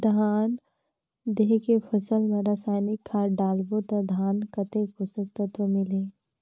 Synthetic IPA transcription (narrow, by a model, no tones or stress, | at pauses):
d̪ʱaːn | d̪eːkepʰəsəlmẽɾasaːɪnɪkʰːaɖaːlbot̪əd̪ʱaːnkət̪ekʊsəkt̪ət̪ʋəmɪle